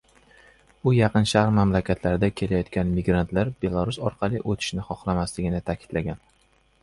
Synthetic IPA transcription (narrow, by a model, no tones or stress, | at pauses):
ʊjɑqɨnʃaɾmamlakʲʰat̪ʰlaɾd̪akʲʰe̞lajɒt̪kʲanmɪɡɾant̪laɾbe̞lˠaɾʊsɒɾqʰɑlˠɪʔot̪ʰɪ̥ʃnɪχɒχlˠamaslɪɡʲɪnɪt̪ʰakʲʰɪ̥d̪̥laɡʲan